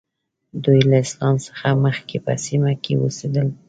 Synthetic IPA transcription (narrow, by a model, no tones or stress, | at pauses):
d̪ujlaɪslɑnsə̥xaməxkepə̰simakḛwə̰sed̪əl